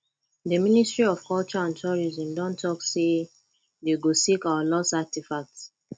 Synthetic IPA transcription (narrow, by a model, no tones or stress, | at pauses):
dəministɹiɔv̥kɔlt͡ʃɔãntʰɔɹizɔ̃mdɔ̃ntʰɔkse | deɡosikawalɔsatifak̚t